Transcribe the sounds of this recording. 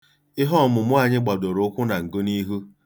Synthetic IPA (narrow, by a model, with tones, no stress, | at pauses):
ɪ˦ɦɔ˦˨mʊ˨mʊ˦a˨ɲɪ˦ɡ͡ba˨do˨ɾʊ˨˦kʷʊ˦na˨ŋ̩˨ɡo˦ni˦ɦu˦